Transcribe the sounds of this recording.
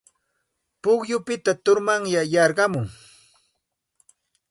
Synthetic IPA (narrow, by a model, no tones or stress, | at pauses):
pʊχjʊpɪt̪at̪ʊɾmaŋjajɑɾɢɑmʊŋ